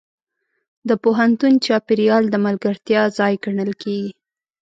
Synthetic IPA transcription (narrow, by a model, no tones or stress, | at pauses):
d̪əpoɦant̪unt͡ʃɑpɪɾijɑld̪əmalɡaɾt̪jɑzɑjɡaɳəlkʰeɡi